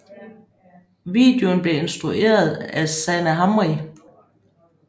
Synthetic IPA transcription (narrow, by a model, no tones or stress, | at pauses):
ʋḭːd̥e̝onb̥le̝e̝nsd̥ʁuʔe̝̰ːɐð̞̩ˠæsænəɦɑmʁi